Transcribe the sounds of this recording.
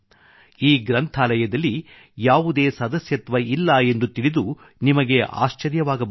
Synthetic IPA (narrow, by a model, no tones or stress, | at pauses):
iːɡɾɐnt̪ʰaːlɐjɐd̪ɐlːi | jaːʋud̪e̞ːsɐd̪ɐsjɐt̪ʋɐilːɐe̞nd̪ut̪iɭid̪u | nimɐɡe̞ʔa̰ːʃt͡ʃɐɾjɐʋaːɡɐb